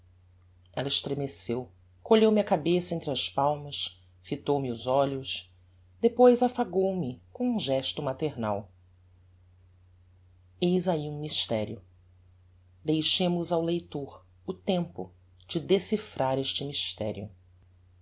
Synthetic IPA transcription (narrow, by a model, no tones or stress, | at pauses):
ɛlɐɪʃt̪ɾemesew | koʎewmɪɐkabesɐẽnt̪ɾɪɐspawmɐs | fit̪owmɪʊzɔʎʊs | d̪epojzafaɡowmɪkõũʒɛʃt̪ʊmat̪eɾna̰w | ejzaiũmiʃt̪ɛɾiʊ | d̪ejʃẽmʊzawlejt̪oɾ | ʊt̪ẽmpʊ̰ | d͡ʒɪd̪esifɾʔaɾeʃt͡ʃɪmiʃt̪ɛ̰ɾjʊ̰